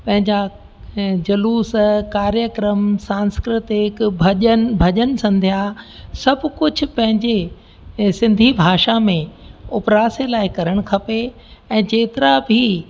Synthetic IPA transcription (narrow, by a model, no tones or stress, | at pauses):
pɐ̃ɦɪ̃ɲd͡ʑa | d͡ʑɐluːskaːɾjəkɾəmsãːnskɾɪt̪ɪkbʱɐʄənbʱɐʄənsɐ̃nd̪ʱijasɐbʱkʊd͡ʑʱʊ̆pɐ̃ɦɪ̃ɲd͡ʑe | sɪ̃nd̪ʱibʱaːʃamẽʊpɾaːselaːɪkɐɾəɽ̃ʊkʰɐpe | ɛ̃ːd͡ʑeːt̪ɪɾabʱi